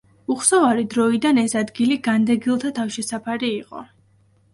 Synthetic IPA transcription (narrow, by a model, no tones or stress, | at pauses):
uχsɔvaɾid̪ɾɔid̪anɛsad̪ɡiliɡand̪ɛɡilˠt̪ʰat̪ʰafʃɛsapʰaɾiːqʼɔ̰